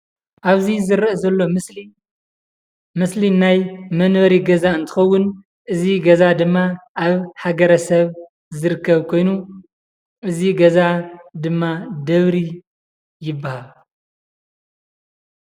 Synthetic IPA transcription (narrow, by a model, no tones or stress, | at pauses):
ʔaβzizɨɾʔzɐlːo̞ | mɨslinajmɐnwɐɾiɡɐzaɨnt̪ʰɨ̥xɐwːʊn | ʔɨziɡɐzad̪ɨmːaʔaβħaɡɐɾɐsɐβ | zɨɾɨkʰːɐβkʰo̞jnu | ʔɨziɡɐzad̪ɨmːad̪ɐβɾi | jɪbːahal